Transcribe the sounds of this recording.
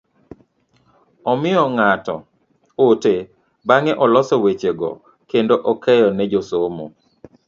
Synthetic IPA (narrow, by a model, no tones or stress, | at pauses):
ɔmɪɔŋatɔ̰ | ote | baŋɛʔɔlɔsɔwet͡ʃeɡɔ̰ | kendoʔɔkɛjɔnɛd͡ʒosomo̰